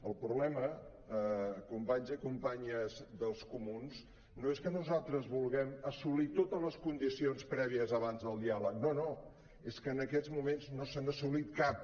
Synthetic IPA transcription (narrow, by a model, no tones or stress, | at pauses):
əlˠpɾuβlɛmə | əkumpaɲzəkumpaɲəzðəlˠskumuns | noeskənuzalˠt̪ɾəzβulˠɣɛməsulit̪ot̪əzləskund̪isionspɾɛβ̞iəzəβanzðəlˠd̪ialək̚nono | eskəːnəkɛzmumenznosanəsulit̪̚kap̚